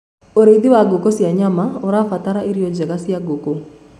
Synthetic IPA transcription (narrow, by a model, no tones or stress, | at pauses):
oɾed̪iwaɡokosjaɲamaoɾafat̪aɾaiɾjod͡ʒɛɡasjaɡoko